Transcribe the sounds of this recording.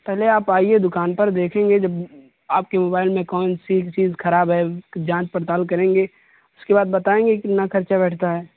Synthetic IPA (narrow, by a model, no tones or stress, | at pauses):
pɛɦleaːpaːied̪ʊkaːnpɐɾd̪eːkʰẽːŋɡed͡ʒɐb | aːp̚kemoːbaːɪlmẽkɔːnsit͡ʃiːzxɐɾaːbɦɛd͡ʒãːt͡ʃpəɾt̪aːlkɐɾẽːŋɡeː | ʊskebaːd̪bɐt̪aːẽːŋɡekɪt̪nakɐɾt͡ʃabɛːʈʰt̪aɦɛː